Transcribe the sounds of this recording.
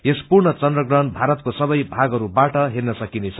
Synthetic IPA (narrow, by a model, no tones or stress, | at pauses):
jespurɳʌt͡sʌnd̪rʌɡrʌnbʱaɾʌt̪̚kosʌbʌjbʱaɡɦʌɾubaʈʌɦernʌsʌkinejt͡sʰʌ